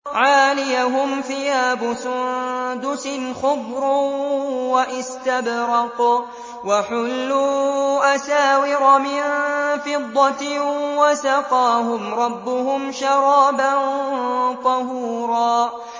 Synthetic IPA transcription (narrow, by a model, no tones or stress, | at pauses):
ʕaːlɪjaɦʊmθɪjaːbʊsʊnd̪ʊsɪnxʊbɾʊ | waʔɪst̪abɾɑq | waħʊlːuːʔasaːwɪɾɑmɪnfɪd̪ˤːɑwasɑqɑːɦʊmɾˤɑbːʊhʊmʃɑɾˤɑːban | t̪ˤɑhuːɾɑː